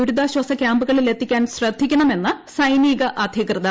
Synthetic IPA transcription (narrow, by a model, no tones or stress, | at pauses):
uɾud̪aːɕwɐsɐkʲjaːmbuɣɐɭile̞t̪ːikʲːaːnɕrɐd̪ʱːikʲːuɳɐme̞nːɨ | sɐjniːɣɐʔɐd̪ʱjɐkrɨd̪ɐ